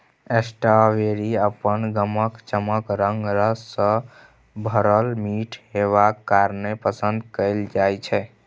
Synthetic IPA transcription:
esʈaʋeɾiəpənɡəməkt͡ʃəməkɾəŋɡɾəsːə̃ | bʱəɾəlmiʈʰɦeβakːaɾnepəsənd̪kəɪld͡ʒajt͡ʃʰɛ

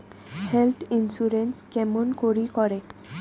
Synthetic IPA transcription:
helt̪ʰinsuɾenskɛmonkoɾikɔɾe

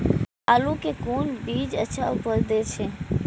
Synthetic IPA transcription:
alũkekunbid͡ʒət͡ʃʰapəld̪et͡ʃʰe

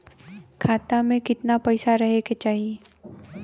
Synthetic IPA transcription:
kʰaːt̪amẽkɪt̪napɛɪsaɾɐɦeket͡ʃaːɦieː

